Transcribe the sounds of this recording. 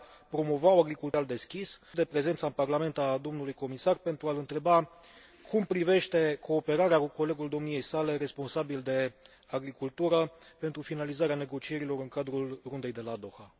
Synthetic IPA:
pɾo̞mo̞vawaɡɾikult̪ald̪e̞skʲisd̪e̞pɾe̞ze̞nt̪saɨnparlame̞nt̪ad̪o̞mnulujko̞misarpe̞nt̪ɾualɨnt̪ɾe̞ba | kumpɾive̞ʃt̪e̞kʰo̞ːpe̞ɾaɾeakuko̞le̞ɡuld̪o̞mnije̞jsale̞ɾe̞spo̞nsabild̪e̞ | aɡɾikult̪uɾəpe̞nt̪ɾufinalizaɾeane̞ɡo̞t͡ʃie̞ɾilo̞ɾɨŋkad̪ɾulrund̪e̞jd̪e̞lad̪o̞xa

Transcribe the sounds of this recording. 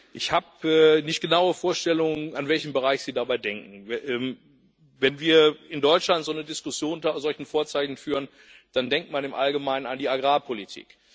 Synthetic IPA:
ʔɪçhaːpɛːnɪçt̚ɡ̥ənaʊəfoːɐʃtɛlʊŋənanvɛlçm̩bəʁ̞aɪçz̥iːdabaɪdɛŋkŋ̩ʔɛːm | vɛnviːɐɪndɔʏt͡ʃlantz̥oːnədɪskʊsjoːntazɔlçn̩foːɐt͡saɪçn̩fyːʁən | d̥andɛŋk̚tmanɪmʔa̰lɡəmaɪnənandiːaɡʁaːpʰolitʰḭːk

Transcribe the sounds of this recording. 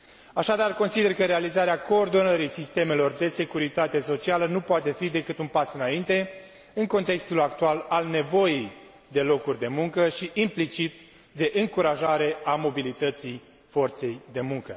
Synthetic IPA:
aʃad̪arko̞nsid̪e̞rkəɾealizaɾeako̞ːrd̪o̞nəɾisist̪e̞me̞lo̞rd̪e̞se̞kuɾit̪at̪e̞so̞t͡ʃialənupoat̪e̞fid̪e̞kɨt̪unpasɨnaint̪e̞ | ɨŋko̞nt̪e̞kst̪ulakt̪ualalne̞vo̞jej | d̪e̞lo̞kurʲd̪e̞muŋkəʃiʔimplit͡ʃit̪̚ | d̪e̞ʔɨŋkuɾaʒaɾe̞amo̞bilit̪ət̪sij | fo̞rt̪se̞jd̪e̞muŋkə

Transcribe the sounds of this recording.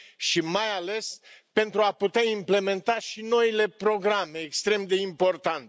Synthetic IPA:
ʃimajale̞spe̞nt̪ɾuaput̪eaimple̞me̞nt̪aʃino̞ile̞pɾo̞ɡɾame̞ːkst̪ɾe̞md̪e̞impo̞rt̪ant̪e

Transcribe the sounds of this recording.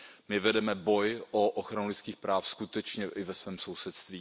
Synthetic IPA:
mɪvɛdɛmɛbo̞jʔoʔoxɾanulɪt̪skiːxpɾaːfskut̪ɛt͡ʃɲɛʔɪvɛsvɛːmso̞wsɛt̪st̪viː

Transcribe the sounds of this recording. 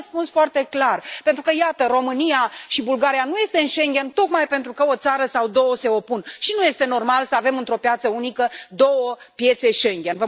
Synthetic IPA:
spunsfoart̪e̞klarpe̞nt̪ɾukəjat̪əro̞mɨnijaʃibulɡaɾijanuje̞st̪e̞ɨnʃe̞ŋɡʲe̞nt̪o̞kmajpe̞nt̪ɾukəo̞t̪saɾəsawd̪o̞wəse̞o̞punʃinuje̞st̪e̞no̞rmalsəave̞mɨnt̪ɾo̞pjat̪səunikəd̪o̞wəpje̞t̪se̞ʃe̞ŋɡʲenvə

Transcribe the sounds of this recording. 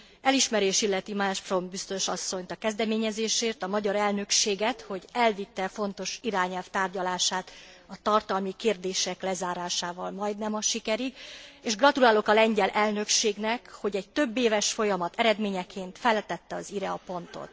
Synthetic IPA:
ɛliʃmɛɾeːʃilːɛt̪imaʃfro̞mbist̪o̞ʃɒsːo̞ɲt̪ɒkɛzd̪ɛmeːɲɛzeːʃeːrt̪ɒmɒɟɒɾɛlnø̞kʃeːɡɛt̪ho̞ɟɛlvit̪ːɛfo̞nt̪o̞ʃiɾaːɲɛlft̪aːrɟɒlaːʃaːt̪ | ɒt̪ɒrt̪ɒlmikeːrd̪eːʃɛklɛzaːɾaːʃaːvɒlmɒjd̪nɛmɒʃikɛɾiɡeːʒɡrɒt̪ulaːlo̞kɒlɛɲɟɛlʔɛlnø̞kʃeːɡnɛkho̞ɟɛɟ̚t̪ø̞bːeːvɛʃfo̞jɒmɒt̪ʰɛɾɛd̪meːɲɛkʰeːnt̪fɛlːɛt̪ɛt̪ːɛɒziɾɛɒpo̞nt̪o̞̰t̪

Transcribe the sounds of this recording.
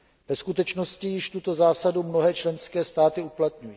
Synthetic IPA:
v̥ɛskut̪ɛt͡ʃno̞scɪjɪʃt̪ut̪o̞zaːsadumno̞ɦɛːt͡ʃlɛnskɛːst̪aːt̪ɪuplat̪ɲuji

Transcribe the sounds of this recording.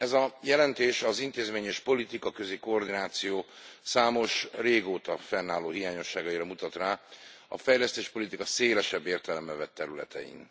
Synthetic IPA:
ɛzɒjɛlɛnt̪eːʃɒzint̪eːzmeːɲɛʃpo̞lit̪ikɒkø̞zikoːrd̪inaːt̪sijoː | saːmo̞ʃreːɡoːt̪ɒfɛnːaːloːɦijaːɲo̞ʃːaːɡɒjiɾɒmut̪ɒt̪raː | ɒ̰fɛjlɛst̪eːʃpo̞lit̪ikɒseːlɛʃɛbːeːrt̪ɛlɛmːɛvɛt̪ːɛɾylɛ̰t̪ɛ̰ḭn

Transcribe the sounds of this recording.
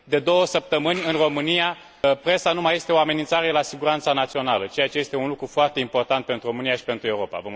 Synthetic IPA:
d̪e̞d̪o̞wəsəp̚t̪əmɨnʲɨnro̞mɨnija | pɾe̞sanumaje̞st̪eo̞ame̞nint̪saɾelasiɡuɾant̪sanat̪sio̞nalət͡ʃe̞jat͡ʃe̞je̞st̪e̞unlukɾufoart̪e̞impo̞rt̪ant̪̚pe̞nt̪ɾuro̞mɨnijaʃi̥pe̞nt̪ɾue̞uɾo̞pa̰vo

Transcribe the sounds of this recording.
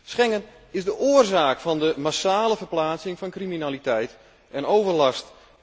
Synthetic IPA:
sχɛŋən | ɪzdəʔʊərzaːkfɑndəmasaːləvərplaːt͡sɪŋfɔnkriminalitɛjt | ɛnowvərlɑst

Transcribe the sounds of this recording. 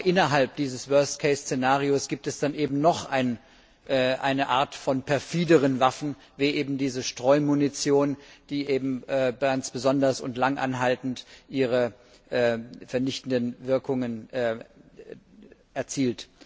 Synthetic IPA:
ʔɪnɐɦalp̚d̥iːzəsvœɐstkʰɛɪst͡senaːʁ̞iosɡ̥iːp̚tɛsd̥anʔeːbm̩nɔχʔa̰ɪn | ʔɛːʔaɪnəʔaːɐtfɔnpʰɛɐfiːdəʁənvafn̩ | veːʔeːbm̩diːzəʃtʁ̥ɔʏmunit͡sjoːnd̥iːʔeːbm̩ʔɛːɡant͡sb̥əzɔndɐsʊ̰ntlaŋʔa̰nɦaltn̩tʔiːʁ̞ə | ʔɛːfɛɐnɪçtn̩dənvɪɐkʰʊŋənʔɛː | ʔɛɐt͡siːlt

